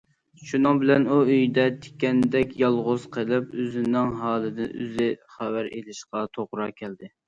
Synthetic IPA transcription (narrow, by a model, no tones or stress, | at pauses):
ʃunɨŋbɪlɛnuøjd̪ɛt̪ʰɪ̥kʲɛnd̪ɛkʲjɑlˠʁʊz̥qʰəlˠɪpøzɪnːɪŋɦɑːlˠɨd̪ɪnʔø̰zɪχæwæɾḛlɪʃqɑt̪ʰoʁɾɑkʲʰɛld̪ɪ